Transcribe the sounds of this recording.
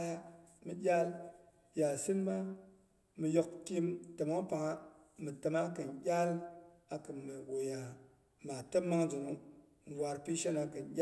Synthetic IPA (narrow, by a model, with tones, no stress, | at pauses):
ja˦mɨ˨ɗʲa˦l | ja˨si˦nma˦ | mɨ˨jo˦k̚kʲi˦mtə˨ma˦ŋ˦pa˨ŋa˦ | mɨ˨ta˨ma˦kɨ˨nɡʲa˦l | a˨kɨ˨mə˨wo˨ja˨ | ma˨tə˦ma˦ŋzu˨ŋu˦ | n˨wʷa˨ɾpi˦ʃa˦na˨˧kɨ˨nɡʲa˦